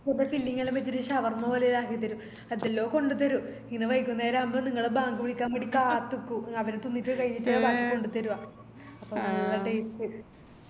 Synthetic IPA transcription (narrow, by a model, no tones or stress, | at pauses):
porɖefilːiŋːɐɭemʋet͡ɕːiɾɨɕɐʋɐrmoʋɐlɐjlaːkit̪ːɐɾu | ɐðelːo̞ːko̞ɳɖut̪̬ːɐɾuiŋnːɐʋɐjkʲːunːeːɾaɐmbɐniŋːɐɭebaːŋɡɨʋiɽikʲːaːmpɐɽikʲːaːt̪ːukːuɐʋɐɾet̪ːunːitːukɐɻiɲːitːɐbaːŋɡɨko̞ɳɖut̪ːɐɾuʋaː | ɐpːɐmnɐŋɭːɐʈeːstːɨ